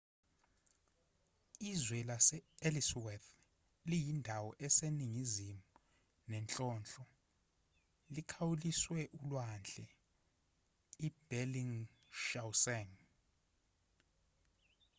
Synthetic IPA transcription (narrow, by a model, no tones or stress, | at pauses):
izwɛlasɛeliswɛθ | lijindʱawɔʔɛseniŋizimu | nɛnt͡ɬʼɔːnt͡ɬʼɔ | likʰawuliswɛʔulwand͡ɮʱɛ | ib̥ɛliŋ | ʃawsɛŋ